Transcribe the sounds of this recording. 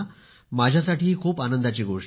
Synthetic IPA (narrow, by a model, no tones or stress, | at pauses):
mad͡ʑʱjasaʈiːɦiːkʰuːpanənd̪at͡ɕiːɡoʂ